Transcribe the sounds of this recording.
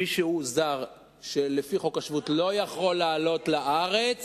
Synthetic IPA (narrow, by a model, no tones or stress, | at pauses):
iʃehuzaʁ | ʃelefiχokaʃvutlo̞jaχo̞lːaːlo̞tlaʔaʁet͡s